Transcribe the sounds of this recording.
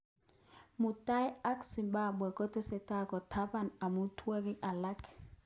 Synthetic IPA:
mʊ˨ta˦ja˦ksi˨mba˦˨bwɛ˨kɔ˦tɪ˦sɛ˨ta˦kɔ˨tʰa˦ba˦˨na˨mu˦tʰwɛ˦kɪ˦ʔa˨la˦k

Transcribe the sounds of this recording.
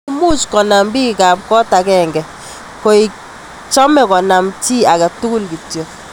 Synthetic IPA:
mu˦t͡ʃkɔ˨na˨mbi˦kɪ˨ka˨p̚kɔ˦ta˨kɛŋɡɛ˨ | ko˨i˨k | t͡ʃɔ˦mɛ˨kɔ˨na˨mtʰi˦a˨ka˨tu˦kʊ˦lki˨tjɔ˨

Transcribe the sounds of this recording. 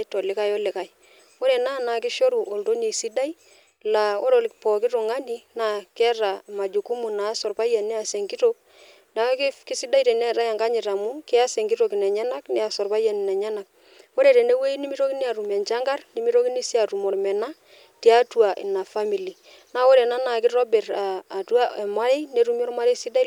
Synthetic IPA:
ɛ˦tɔ˨lɪ˦ka˦jɔ˦lɪ˨ka˨ɪ˦ | wo˦ɾe˨naː˦˨naː˨kɪ˦ʃo˦ɾu˨ʔo˨lto˦ni˨si˦da˦i˦ | la˨o˦ɾo˨lpɔ˨kɪ˦ɾʊ˨ŋa˦ni˦na˦kɛ˦ra˨ma˨d͡ʒu˨ku˦mu˨na˨˦sɔ˨rpa˦ja˨nɛ˦a˨sɛ˨ŋki˦to˦k̚ | na˨˦kɪ˦si˦da˦i˦tɛ˨nɛ˦˨ɾa˦ja˨ŋɡa˦ɲɪ˨ɾa˨mu˦kɪ˦a˦se˨ŋki˦to˨ki˨nɛ˨ɲɛ˦na˦knɛ˦a˨sɔ˨rpa˦ja˨nɪ˨nɛ˨ɲɛ˦na˨k̚ | wo˦ɾe˨ɾe˨ne˦we˦i˦ni˦mi˦ɾo˦ki˦ne˦a˨ɾu˨mɛ˨nt͡ʃa˦ŋɡa˦rni˦mi˦ɾo˦ki˦ni˦si˦a˨tu˨mɔ˨rmɛ˨na˦ | ti˦a˦tu˨a˨ʔɪ̰˨na˨fa˦mi˨li˨ | na˦wo˦ɾe˨na˦na˨kɪ˦ɾɔ˦bɛ˨ɾaː˨tu˦a˦ɛ˨ma˦ɾe˦ne˦ɾu˦m˦ɔ˦ɾma˦ɾe˦sɪ˦da˦

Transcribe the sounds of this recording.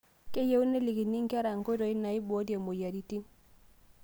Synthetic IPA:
ke˦je˦wu˦ne˦li˨ki˨ni˦ŋ˦ka˦ɾa˨ŋ˨ko˦dɔ˨i˦na˨i˦bo˨˦di˦e˨mo˨ja˨di˦ti˦ŋ

